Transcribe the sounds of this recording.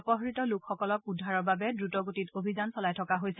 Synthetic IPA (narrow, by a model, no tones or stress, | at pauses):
ɔpɔɦɔɹitɔlukxɔkɔlɔk̚udʱːaɹɔɹbabɛdɹutɔɡotitobʱizansɔlajtʰɔkaɦojsɛ